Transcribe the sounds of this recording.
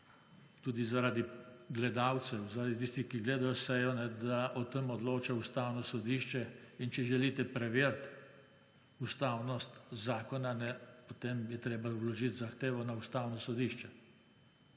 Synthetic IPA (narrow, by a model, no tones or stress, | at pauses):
t̪uːd̪izaɾad̪iɡlɛd̪aw̪sɛwzaɾad̪it̪iːst̪ixkiɡleːd̪ajɔsɛjɔnɛd̪aʔɔt̪əmɔd̪loːt͡ʃaust̪aːwnɔsɔd̪iːʃt͡ʃɛint͡ʃɛʒɛlit̪ɛpɾɛʋeːɾt̪ | ust̪aːwnɔst̪zaːkɔnanɛpot̪emjɛt̪ɾeːbawlɔʒit̪zaxt̪eːʋɔnaust̪aːwnɔsɔd̪iʃt͡ʃɛ